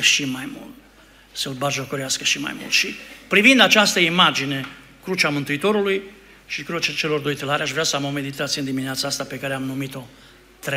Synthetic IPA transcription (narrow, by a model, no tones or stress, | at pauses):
əʃimajmṵlt̪ | seulbaʒokoɾeaskəʃima̰jmṵlt̪ʃipɾivind̪at͡ʃast̪əimad͡ʒine | kɾut͡ʃamɨnt̪uit̪o̞ɾuluj | ʃikɾut͡ʃt͡ʃelo̞rd̪ojt̪əlaɾʲeaʃvɾeasəamomed̪it̪at̪siənd̪imineat̪saast̪apekaɾeamnumit̪o̞ | t̪ɾe